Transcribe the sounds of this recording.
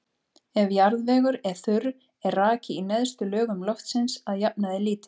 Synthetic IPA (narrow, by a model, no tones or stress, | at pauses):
ɛvjaɾðvɛːɣʏɾɛ̥θʏɾ | ɛrraːcɪinɛðst̪ʏlœːɣʏmlɔft̪sɪnsaðjapnaðɪliːt̪ɪ̥